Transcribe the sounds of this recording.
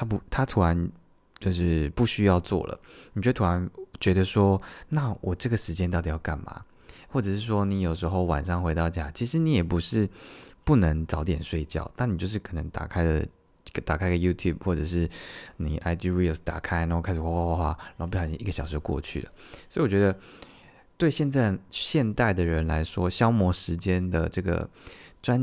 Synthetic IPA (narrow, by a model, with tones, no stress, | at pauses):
t̪ʰa˥pu˧˥t̪ʰa˥t̪ʰu˧˥ɻa˧˦n | t͡ɕjo˥˧ʊʂɻ̩˥˩pu˥˩ɕy˥jɑ˥˧ʊt͡swɔ̰˥˩lə̰˩ni˨˩t͡ɕt̪ʰu˧˥a˧˥nt͡ɕɥɛ˧˥d̪ə˧ʂwɔ˥na˥˩wʔɔ˨˩ʈ͡ʂɤ˥˩ɡə˩ʂɻ̩˧˥t͡ɕjɛ˥nt̪ɑ˥˩ʊt̪i˨˩jɑ˥˩ʊka̰˥˩nma̰˨˩ | xwɔ˥˩ʈ͡ʂɤ˨˩ʂɻ̩˥˩ʂwɔ˦ni˧˥jo˨˩ʊʂɻ̩˧˥xo˥˩ʊwa̰˨˩nʂɑ˥˧ŋxwe˧˥t̪ɑ˥˧ʊt͡ɕja˥˩t͡ɕʰi˧˥ʂɻ̩˧˦ni˨˥jɛ˨˩pu˧˥ʂɻ̩˥˧pu˥˩nə˧˦ŋt͡sɑ˧˥ʊt̪jɛ˨˩nʂwe˥˧ɪt͡ɕjɑ̰˥˩ʊt̪a˥˩ni˨˩t͡ɕjo˥˧ʊʂɻ̩˥˩kʰə˨˩nə˧˥ŋt̪a̰˨˩kʰa˥ɪdə̰˨˩˨ | t̪a˨˩kʰa˥ɪɡə˧˩ju˥t̪ʰju˥˩b̚xwɔ˥˩ʈ͡ʂɤ˨˩ʂ̬ɻ̩˥˩ni˨˩ʔa˧˥ɪt͡ɕy˥ɹi˥˩st̪a̰˨˩kʰa˦˥ɪna˧˥xo˥˧kʰa˥ʂ̩˨˩xa˥xwa˥˧xwa˥˧xwa˥˩na˨˧˥o˥˧p̬i˥˩ɑ˨˩ɕi˥ŋʔi˥˩ə˩ɕɑ˨˩ʂ̩˧˥jkwɔ̰˥˧t͡ɕʰy̰˥˩lə̰˩ | swɔ˧˥i˨˩wɔ˨˩t͡ɕɥɛ˧d̪ə˧ | t̪we˥˧ɪɕjɛ˥˧nt͡sa˥˩ɕjɛ˥˧nt̪a˥˩ɪd̪ə˩ɻə˧˦nla˧˥ɪʂwɔ˥ɕjɑ˥ʊmwɔ˧˥ʂɻ̩˧˥t͡ɕjɛ˥nd̪ə̰˨ʈ͡ʂɤ˥˩ɡə̰˩ʈ͡ʂwa˦n